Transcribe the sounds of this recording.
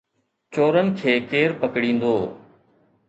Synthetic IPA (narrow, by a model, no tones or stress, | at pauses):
t͡ɕoːɾənɪ̆kʰeːkeːɾpəkɽĩːn̆d̪oː